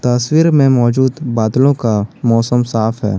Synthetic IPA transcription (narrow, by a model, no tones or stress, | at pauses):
t̪ɐswiːɾmẽmɔːd͡ʒuːd̪baːd̪lõkamɔːsəmsaːfɦɛ̰ː